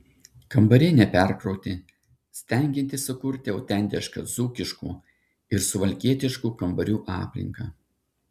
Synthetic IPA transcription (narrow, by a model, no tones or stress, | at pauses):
kɐmbɐɾʲɪnʲɛpʲɛˑɾkɾɔʊt̪ʲɪ | sʲt̪ʲɛˑŋʲɡʲɪnʲt̪ʲɪsʊkʊɾʲt̪ʲɪɐʊt̪ʲɛˑnʲt̪ʲɛʃkɐzuːkʲɪʃkṵː | ɪɾsʊʋɐlʲkʲiɛt̪ʲɪʃkuːkɐmbɐɾʲuːʔɑːpʲlʲɪ̰ŋkɐː